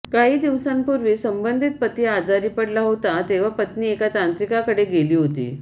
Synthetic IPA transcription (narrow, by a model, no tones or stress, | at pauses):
kaɦiːd̪iʋsampuɾʋiːsəmbənd̪ʱit̪̚pət̪iːad͡zaɾiːpəɽlaɦot̪at̪eʋ̤apət̪niːekat̪ant̪ɾikakəɽeɡeliːɦot̪ḭː